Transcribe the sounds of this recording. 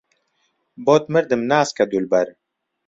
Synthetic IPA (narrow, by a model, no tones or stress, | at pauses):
bot̪məɾd̪əmnaːskad̪ulbɐɾ